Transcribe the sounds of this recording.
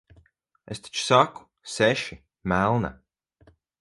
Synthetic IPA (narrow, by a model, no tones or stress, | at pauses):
est̪i̥t͡ʃsaku̥ | seʃi | mælˠna̰